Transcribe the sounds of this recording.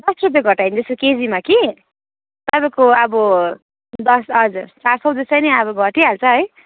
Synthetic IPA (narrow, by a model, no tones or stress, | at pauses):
d̪ʌsrup̬jeɡʱʌʈainid͡z̪eskoked͡zimaki | t̪ʌbakoʌbʌ | d̪ʌsʌd͡zurt͡sarsʌwd͡zʌst͡sʌjniʌbʌɡʱʌʈiɦalt͡sʰʌɦʌj